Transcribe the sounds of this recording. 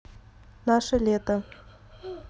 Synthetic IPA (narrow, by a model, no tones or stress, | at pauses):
naʂəlet̪ə